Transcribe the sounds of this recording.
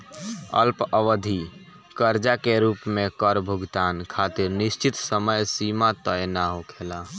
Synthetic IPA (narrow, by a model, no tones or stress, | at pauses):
ə̰lpəʋəd̪ʱi | kəɾd͡ʒakeɾupmekəɾbʱuɡt̪ankʰat̪iɾnist͡ʃit̪səməjsimat̪əjnaɦokʰela